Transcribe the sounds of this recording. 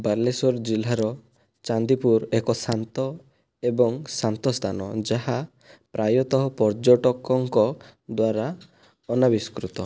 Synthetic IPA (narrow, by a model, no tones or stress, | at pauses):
baɾlesɔɾd͡ʒilaɾɔ | t͡ʃand̪ipuɾekɔsant̪ɔ | ebɔŋsant̪ɔst̪ʰanɔ̰d͡ʒaɦa | pɾajɔt̪ɔɦɔpɔɾd͡ʒɔʈɔkɔŋkɔd̪waɾa | ɔnabiskɾut̪ɔ